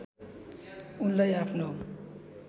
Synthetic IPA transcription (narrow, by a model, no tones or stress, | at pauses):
unlʌjapʰno